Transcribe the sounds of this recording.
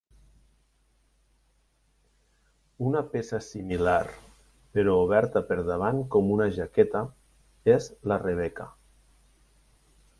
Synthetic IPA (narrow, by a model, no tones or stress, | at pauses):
unapesasimilaɾ | peɾouβɛɾt̪apeɾðaβ̞aŋkɔmunaʒakɛt̪a | ezlareβ̞ɛka